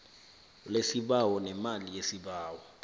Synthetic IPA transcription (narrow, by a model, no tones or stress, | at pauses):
lesiɓawɔnɛmalijesiɓaːwɔ